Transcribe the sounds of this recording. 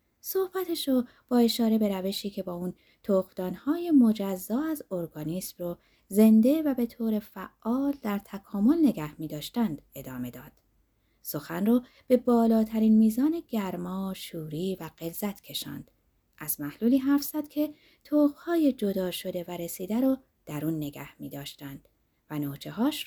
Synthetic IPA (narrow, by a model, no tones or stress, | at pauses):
so̞hb̥æt̪ʰeʃo | b̥ɒːe̞ʃɒːɾe̞be̞ɾæve̞ʃiːcʰe̞bɒːun | t̪ʰoɣd̪̥ɒːnhɒːje̞mo̞d͡ʒæzːɒːæzo̞ɾɡɒːniːsmrɔ | ze̞nd̪e̞væbe̞t̪ʰoːɾe̞fæʔːɒːld̪æɾt̪ʰækʰɒːmo̞lne̞ɡæhmiːd̪ɒːʃt̪ænd̪̥e̞d̪ɒːme̞d̪ɒːd̪̥ | so̞xænrɔː | b̥e̞bɒːlɒːt̪ʰæɾiːnmiːzɒːne̞ɟæɾmɒːʃuːɾiːvæɢe̞lzæt̪ʰcʰe̞ʃɒ̰ːnd̪̥ | ʔæzmæhluːliːɦæɾfz̥æd̪̥cʰe̞ | t̪ʰoːɣ̥hɒːje̞d͡ʒo̞d̪ɒːʃo̞d̪e̞væɾe̞siːd̪æɾɔː | d̪̥æɾuːnːe̞ɡæ̰hmiːd̪ɒːʃt̪ænd̪̥ | vænoːt͡ʃʰeɦɒːʃ